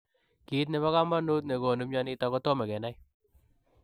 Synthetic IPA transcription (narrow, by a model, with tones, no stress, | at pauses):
ki˦t̪̬ne˨βa˦ka˦mba˦nu˦t̪ne˨ɡo˨nu˦mɲa˦ni˦t̪a˨kɔ˦t̪o˦me˨ɡɛ˨na˦j